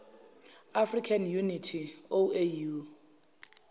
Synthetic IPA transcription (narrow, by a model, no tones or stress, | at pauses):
afrikʰanjunitʰioeju